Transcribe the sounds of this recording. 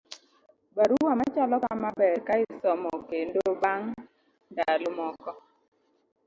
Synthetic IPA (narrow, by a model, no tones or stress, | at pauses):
baɾuwamat͡ʃalɔkamabɛɾkaɪsɔmɔkendobaŋ | dalʊmɔkɔ